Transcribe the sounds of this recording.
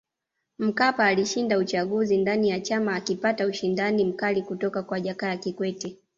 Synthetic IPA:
m̩kapaːliʃindaut͡ʃaɠuzindanijat͡ʃamaːkipatauʃindanim̩kalikutɔkakwaʄakaakikwɛtɛ

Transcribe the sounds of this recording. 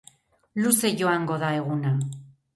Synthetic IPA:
luse̞ʝo̞aŋɡo̞ðae̞ɣuna

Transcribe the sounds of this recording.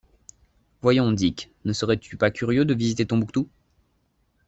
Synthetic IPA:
vwajɔ̃d̪ik | nəsəʁɛt̪ʰypakʲyʁjød̪əvizit̪et̪ɔ̃bukt̪u

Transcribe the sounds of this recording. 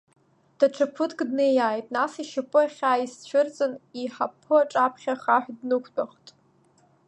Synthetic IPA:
d̥aʈ͡ʂʰapʰɨtʰkʼdnejaːjtʼnasiʃapʼɨaχʲaːist͡ɕʷʰʊrt͡sʼɨniħapʰːɨaʈ͡ʂʼapʰχʲaχaħʷᶣdnɨkʷʰtʼaχtʼ

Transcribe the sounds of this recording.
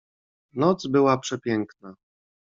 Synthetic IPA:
nɔd̪zbɘwapʂɛpʲjɛŋkna

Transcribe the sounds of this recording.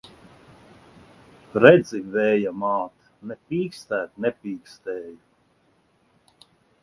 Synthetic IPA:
ɾɛd̪zivɛːjamaːt̪ | nɛpʲiːkst̪æːt̪nʲɛpʲiːkst̪ɛːja

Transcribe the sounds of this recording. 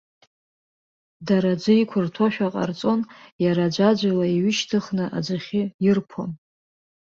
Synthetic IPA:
daɾad͡ʒʷɨikʷʰʊrtʰoʃᶣaqʼa̰rt͡sʼo̞njaɾad͡ʒʷad͡ʒʷalaiɥɪʃtʰɨχnɨʔa̰d͡ʒʷaχʲɪjɪrpʰo̰n

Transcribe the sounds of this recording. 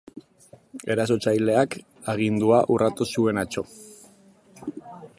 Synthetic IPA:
e̞ɾaso̞t͡ʃajle̞ak | aɣ̞ind̪uaʔurat̪usue̞nat͡ʃo̞

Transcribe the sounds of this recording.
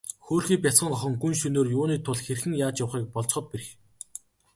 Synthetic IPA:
xoːrxiːp̬ʲjat͡sɢə̆ŋɔχɞ̆ŋɡunʃɵnoːrjʊːniːt̪ʰʊɮxerxɘ̆ŋjaːt͡ɕjawχiːk̚pɔɮt͡sχə̆t̪̚peɾɘ̆x

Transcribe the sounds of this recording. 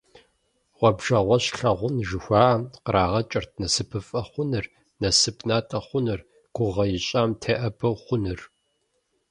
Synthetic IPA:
ʁʷɔbʒɐʁʷɔɕɬɐʁʷʊnʒɨxʷaːʔɐmqəɾaːʁɐt͡ʃʼɐrt̚ʰnɐsɨpʰɨfʼɐχʷʊnɨr | nɐsɨpʰnaːtʼɐχʷʊnɨr | ɡ̥ʷʊʁɐjɪɕʼaːmtʰeːʔɐbɐwχʷʊnɨr

